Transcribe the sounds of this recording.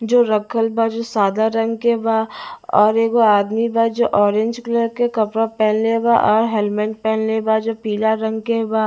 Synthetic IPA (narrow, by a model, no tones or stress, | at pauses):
d͡ʒoːɾəkʰəlbad͡ʒoːsaːd̪aɾɐ̃ŋɡkebaːɔːɾeːɡoaːd̪mibad͡ʒoːʔɔːɾẽɲd͡ʒkləɾkekɐpɾapɛːnleba̰ʔɔːɾɦɛlmɛ̃ɳʈ̚pɛːnlebad͡ʒoːpiːlaɾɐ̃ŋɡkebaː